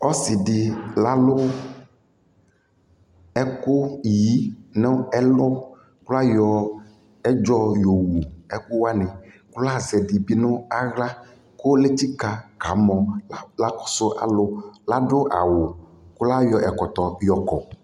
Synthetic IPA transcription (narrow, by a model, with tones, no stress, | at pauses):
ɔ˦sɪ˨dɪ˨la˦lʊ˦ | ɛ˦kʊ˦ji˦nʊ˦ɛ˦lʊ˦ | kʊ˦la˦jɔ˨ | ɛ˦d͡ʒɔ˦jo˨wu˨ɛ˦kʊ˦wa˦nɪ̃˨ | kʊ˦la˦˨zɛ˨dɪ˨bi˦nʊ˦a˦ɣla˦ | kʊ˦le˦ti˦ka˨ka˨˦mɔ˨la˦kʊ̥˦sʊ˦ʔa̰˨lʊ˦la˦ɖʊ˦ʔa̰˨wʊ˨ | kʊ˦la˦jɔ˨ʔɛ˨kɔ˨t̪ɔ˨jɔ˨kɔ˨